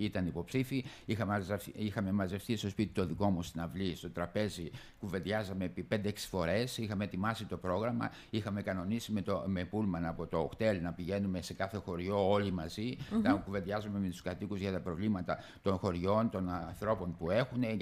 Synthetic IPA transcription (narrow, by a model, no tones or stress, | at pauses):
it̪ɐnipo̞psifiixɐzixɐme̞mɐze̞fθist̪o̞spit̪i̥t̪o̞ðiko̞must̪inɐvlist̪o̞t̪ɾɐpe̞zi | kuveðʝɐzɐme̞pipe̞nd̪eeksi̥fo̞ɾe̞sixɐme̞t̪imɐsit̪o̞pɾo̞ɣɾɐmɐ̰ | ixɐme̞kɐno̞nisimet̪omepulmɐnɐpo̞t̪o̞ːxt̪e̞lnɐpiʝe̞nume̞se̞kɐθe̞xo̞ɾʝo̞olimɐzinɐkuve̞ðʝɐzome̞met̪u̥skɐt̪ikuzʝɐt̪ɐpɾo̞vlimɐt̪ɐ | t̪o̞nxo̞ɾʝo̞nt̪o̞nɐnθɾo̞po̞npue̞xune̞